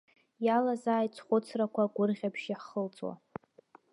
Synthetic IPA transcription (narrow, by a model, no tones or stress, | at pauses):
jalazaːjt͡sʰχʷʊt͡sʰrakʷʰaɡʷʊrʁʲapʰʃjaχəlt͡sʼwa̰